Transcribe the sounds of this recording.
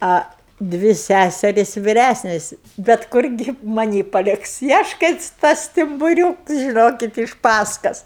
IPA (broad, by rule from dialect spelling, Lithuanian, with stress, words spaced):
ɐ ˈdʲʋʲɪ ˈsʲæsʲɛrʲɪsʲ ʋʲɪˈrʲæsʲnʲɛs bʲɛt ˈkʊrʲɡʲɪ mɐˈnʲiː pɐˈlʲɪks ɪ ˈɐʃ kɐɪ ˈtɐs sʲtʲɪmbʊˈrʲuːks ʒʲɪˈnoːkʲɪt ɪʃ ˈpɑːskɐs